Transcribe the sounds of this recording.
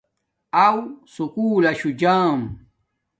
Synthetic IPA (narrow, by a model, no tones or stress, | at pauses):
awsukuːlaɕud͡ʒaːm